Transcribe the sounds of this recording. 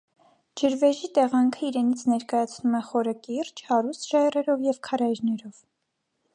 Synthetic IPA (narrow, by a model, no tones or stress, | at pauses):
d͡ʒəɾvɛʒit̪ɛʁɑŋkʰəiɾɛnit͡sʰnɛɾkɑjɑt͡sʰnumɛχɔɾəkirt͡ʃhɑɾust̪ʒ̥ɑjrɛɾɔvjɛvkʰɑɾɑjɾnɛɾɔv̥